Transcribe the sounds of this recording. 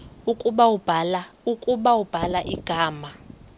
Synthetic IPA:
ukʼuɓawub̥ʱalaukʼuɓawub̥ʱalaʔiɡ̥ʱaːma

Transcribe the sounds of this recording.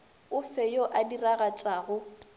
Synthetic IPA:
ʊfɛjoʔadiraɣat͡ʃʼaːɣʊ

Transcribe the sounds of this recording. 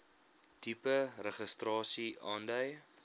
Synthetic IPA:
tipərəχəstrɑːsiɑːndœj

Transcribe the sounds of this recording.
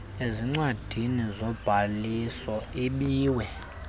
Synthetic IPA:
eziŋ͡ǀwad̥ʱinizɔb̥ʱaliswɔiɓiːwɛ

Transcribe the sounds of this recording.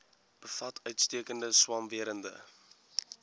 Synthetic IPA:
b̥əfɐtʰœɥtstiəkəndəswɐmviəɾəndə̰

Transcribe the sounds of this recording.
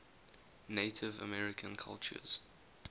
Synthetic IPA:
neɪtʰɪvə̰mɛɹɪkʰə̃nkʰa̰lˠt͡ʃə̰z̥

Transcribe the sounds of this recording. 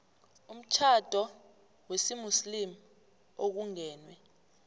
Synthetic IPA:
um̩t͡ʃʰad̥ʱɔ | wesimuslim | ok̬uŋɛːnwɛ

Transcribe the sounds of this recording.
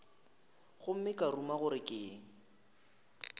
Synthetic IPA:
ɣʊm̩mɪkʼarumaɣʊɾɪkʼɪːŋ̩

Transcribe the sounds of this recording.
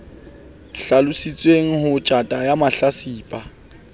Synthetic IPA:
ɬalʊsit͡sʼweŋ̩ɦʊt͡ʃʼatʼajamaɬasiːpʼa

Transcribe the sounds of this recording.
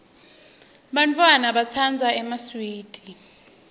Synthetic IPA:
ɓant͡fʰʼwanaɓat͡sʰand͡zʱaɛmaswiːdʱʼi

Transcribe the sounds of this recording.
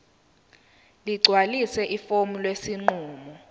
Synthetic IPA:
liɡ͡ǀʱwalisɛʔifomilwesiŋ͡ǃuːmɔ

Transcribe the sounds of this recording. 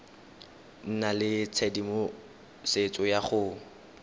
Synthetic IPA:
n̩nalɪt͡sʰɛdimo | set͡sʼɔjaχʊ

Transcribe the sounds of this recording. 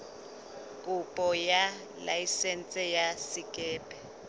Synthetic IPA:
kʼupʼɔja | lajisɛnt͡sʼɛjasikʼɛːpʼɛ

